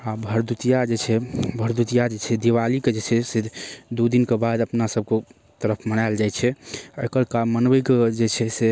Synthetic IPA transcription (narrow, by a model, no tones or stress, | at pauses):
abʱəɾd̪ut̪ijad͡ʒet͡ʃʰɛbʱəɾd̪ut̪ijad͡ʒet͡ʃʰɛd̪iʋaliked͡ʒet͡ʃʰɛsed̪ud̪inkebad̪əpnasəb̚ke | t̪əɾəpʰmənaɪld͡ʒajt͡ʃʰɛəjkəɾkamːənbəjked͡ʒet͡ʃʰɛse